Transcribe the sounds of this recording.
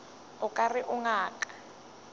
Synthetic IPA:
ʊkʼariʔuŋaːkḁ

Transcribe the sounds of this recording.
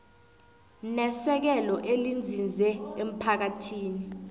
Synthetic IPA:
nɛsɛk̬ɛlɔʔelind͡zʱind͡zʱɛem̩pʰak̬atʰiːni

